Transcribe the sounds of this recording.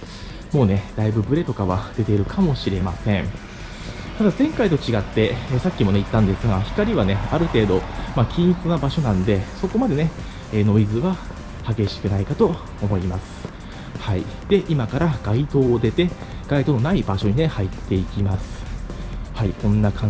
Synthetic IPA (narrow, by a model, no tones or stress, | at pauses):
mo̞ːne̞d̪aibɯ̟bɯ̟ɾe̞t̪o̞kaβad̪e̞t̪e̞iɾɯ̟kʰamo̞ɕiɾe̞masẽ̞ɴ | t̪ad̪azẽ̞ŋkait̪o̞t͡ɕiɡat̪ːe̞eːsakʲːimo̞ne̞it̪ːãnd̪e̞sɨɡaçi̥kaɾʲiβane̞aɾɯ̟t̪e̞ːd̪o̞makʲiɲit͡sɨnabaɕo̞nãnd̪e̞so̞ko̞mad̪e̞ne | eːno̞izɨβa | haɡe̞ɕi̥kɯnaikat̪o̞ː | mo̞imasɨ̥ | haid̪̥e̞ʔimakaɾaɡ̥ait̪o̞ːd̪e̞t̪e̞ | ɡ̥ait̪o̞ːno̞naibaɕo̞ɲ̟inehait̪ːe̞ikʲimasɨ̥ | haikõ̞nːakʰã